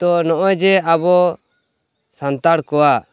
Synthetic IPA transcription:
t̪ɔnɔʔɔd͡ʒɛabɔ | sant̪aɽkɔwa

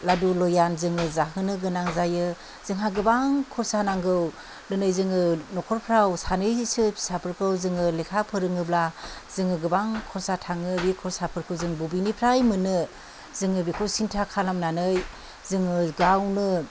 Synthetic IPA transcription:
ladulɔjanzɯŋɯzaɦɯnɯɡɯnaŋzajɯ | z̥ɯŋɦaɡɯbaŋkʰɔɾsanaŋɡɯw | nɯnɯjzɯŋɯnɔkʰɔɾpʰɾawsanɯjsɯpʰi̥sapʰɯɾkʰɯwzɯŋɯlekʰapʰɯɾɯŋɯblazɯŋɯɡɯbaŋkʰɔɾsatʰaŋɯbikʰɔɾsapʰɯɾkʰɯwzɯŋbubinipʰɾajmɯnɯ | zɯŋɯbikʰɯwsintʰakʰalamnanɯj | zɯŋɯɡawnɯ

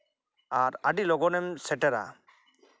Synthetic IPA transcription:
aɾaɖilɔɡɔnɛmsɛʈɛɾa̰

